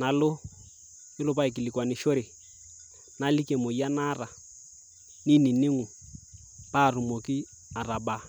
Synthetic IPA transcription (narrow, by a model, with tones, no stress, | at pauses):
na˨lʊ˦ | ɪ˦lʊ˦pa˦i˨ki˨li˨kwa˨nɪ˨ʃo˦ɾɪ˨ | na˨li˦ke˨mo˨i˦a˦na˦ra˨ | ni˦ni˨nɪ˦ŋu˨ | paː˦˨rʊ˨mo˨ki˦ | a˨ra˨ba˦